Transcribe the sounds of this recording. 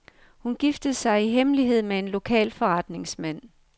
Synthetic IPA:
hunɡ̥ifd̥əð̩ˠsɑ̈ɪiɦemliɦe̝ð̞̰ˠmee̝nlo̝kʰɛ̰ːlfɒ̽ʁɑ̈d̥ne̝ŋsmæn̰

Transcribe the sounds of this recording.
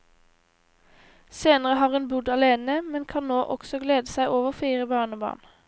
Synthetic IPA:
seːnəʁəhɑːʁeːnbʉd̪ɑleːnəmɛnkʰɑnnoːʔɔksɔɡleːd̪əsæɪʔoːʋəʁfiːʁəbɑːʁnəbɑ̰ːʁn

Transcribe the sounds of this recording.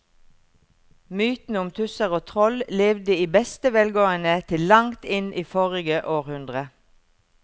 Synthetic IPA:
myːt̪n̩ʊmt̪ʰʉsəʁoːt̪ʰʁɔlleːʋd̪əiːbɛst̪əʋɛːlɡoːənət̪ʰɪllɑŋt̪ɪnʔiːfoːʁɪɡəʔoːʁhʉnd̪ʁə

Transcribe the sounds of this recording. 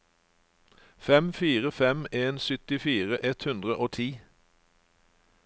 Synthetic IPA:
fɛmfiːʁəfɛmeːnsʏt̪ɪfiːʁəʔɛt̪hʉnd̪ʁəʔoːt̪ʰiː

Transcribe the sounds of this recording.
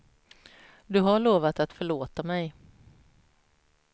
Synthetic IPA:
d̪ɵɦaɭoːvat̪at̪fœɭoːt̪amɛj

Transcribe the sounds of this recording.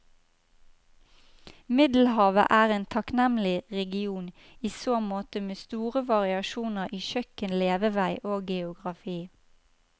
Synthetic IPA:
mɪd̪l̩hɑːʋə̰ʔæːʁeːnt̪ʰɑknɛmlɪʁɛɡɪuːn | iːsoːmoːt̪əmeːst̪uːʁəʋɑʁɪɑʃuːnəʁiːʃœkənleːʋəʋæɪʔoːɡɛʊɡʁɑfiː

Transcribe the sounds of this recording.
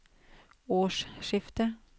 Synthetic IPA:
oːʂʃɪft̪ə

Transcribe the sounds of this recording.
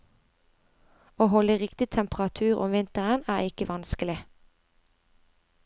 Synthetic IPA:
oːhɔləʁɪkt̪ɪt̪ʰɛmpʁɑt̪ʰʉːʁɔ̰mʋɪnt̪əʁənæːʁɪkəʋɑnskəlɪ

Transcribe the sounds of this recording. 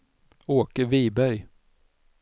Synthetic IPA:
oːkəviːbæɾj

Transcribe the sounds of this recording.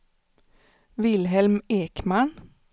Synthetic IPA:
ʋɪlhɛlmeːkmɑɳ

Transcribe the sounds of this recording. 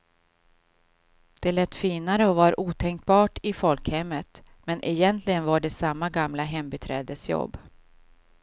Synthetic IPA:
d̪̥ɛlɛt̪ːfiːnaɾəɔvaɾʔuːt̪ʰɛŋk̚bɑːʈɪfɔlkhɛmːət̪ | mɛnʔɛjɛnt̪ʰlɪɡənvaɖɛsamːaɡamlaɦɛmbɛt̪ʰɾɛ̰ːd̪əsjɔ̰bː

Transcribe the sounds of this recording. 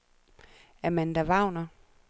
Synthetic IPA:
æɐmænd̥æʋɑ̈ʊ̰nɐ

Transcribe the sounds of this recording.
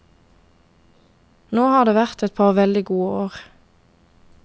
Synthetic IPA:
noːhɑːd̪eːʋæʁt̪ɛt̪̚pʰɑʁʋɛld̪ɪɡuːəoːʁ

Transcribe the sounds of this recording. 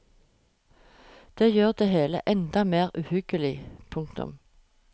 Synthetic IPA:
d̪̥eːjøːʁd̪eːheːlə̰ʔɛnd̪ɑmeːʁʉːhʏɡ̥əlɪpʰʊŋkt̪ʊ̰m

